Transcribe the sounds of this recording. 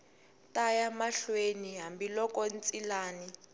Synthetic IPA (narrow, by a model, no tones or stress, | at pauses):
tajamaɬweniɦambilɔkʼɔnt͡sʼilaːni